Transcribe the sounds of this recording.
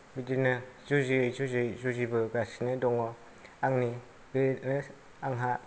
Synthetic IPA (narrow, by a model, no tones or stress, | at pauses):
bidinɯzuzijzuzɯjzuzibɯɡasinɯdɔŋɔ | aŋni | benɯ | aŋɦa